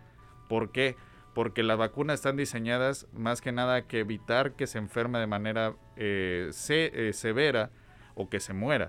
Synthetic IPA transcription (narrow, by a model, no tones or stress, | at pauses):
po̞ɾke | po̞ɾke̞lazβakunasest̪and̪ise̞ɲaðazmaske̞naðakeːβit̪aɾke̞seːɱfe̞ɾmeð̞e̞mãne̞ɾa | esese̞βe̞ɾa | o̞ke̞se̞mwe̞ɾa̰